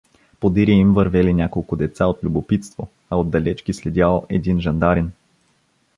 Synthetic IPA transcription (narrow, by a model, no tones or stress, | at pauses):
pod̪iɾiimvɐɾvɛlinʲakolˠkʊd̪ɛt̪saot̪lʲʊbopit̪st̪vo | ɐod̪d̪ːɐlɛt͡ʃkislɛd̪ʲjalˠʔɛd̪inʒɐnd̪aɾin